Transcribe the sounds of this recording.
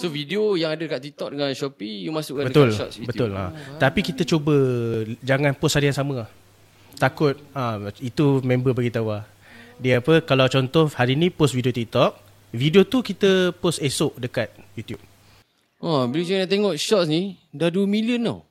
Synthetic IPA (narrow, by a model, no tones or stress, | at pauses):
sovidiojaŋadadəkat̪t̪ːik̚t̪ɔk̚dəŋãnʃɔpijumasʊkabət̪ʊlɔ̰bət̪ʊla̰t̪apikit̪ət͡ʃobəd͡ʒaŋãnpʊshaɾijaŋsamə̃ | t̪akʊt̪̚ait̪umẽmbəbaɡit̪awa | diəapəkalawt͡ʃɔnt̪ɔhaɾinĩposvidiot̪ik̚t̪ɔk̚ | vidiot̪ukit̪əposesʊʔdəkat̪̚jut̪jup̚ | abilud͡ʒaanat̪eŋɔʔʃɔt̪̚snidadumiliəna̰